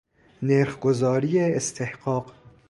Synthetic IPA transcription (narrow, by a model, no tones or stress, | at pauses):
neɾxɡozɒːɾijeest̪ʰehqɑːq